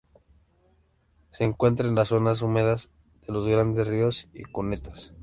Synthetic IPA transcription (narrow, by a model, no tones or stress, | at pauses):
se̞ːŋkwe̞nt̪ɾaenlasːo̞nas̬umeðaz | ð̥e̞lo̞zɣɾand̪e̞srio̞sḭkune̞t̪ḁs